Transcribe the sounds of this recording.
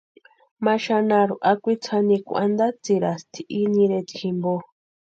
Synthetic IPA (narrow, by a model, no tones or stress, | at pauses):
mãʃanãɾuʔakʷit͡sʰanĩkṵʔand̪at͡siɾast̪ʰi̥ʔinĩɾet͡sixĩmbo